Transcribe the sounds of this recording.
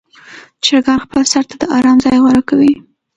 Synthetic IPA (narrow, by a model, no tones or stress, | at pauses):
t͡ʃɪɾɡɑɾxpəlsaɾt̪ad̪əʔɑɾɑmzɑjɣwaɾakawi